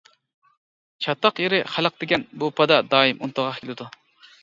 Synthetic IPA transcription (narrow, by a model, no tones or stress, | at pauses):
t͡ʃʰɑt̪ːɑqjeɾɪχælˠəq̚d̪eɡʲɛnbupʰɑd̪ɑd̪ɑːjimʔṵnt̪əʁɑχkʰʲelɪd̪u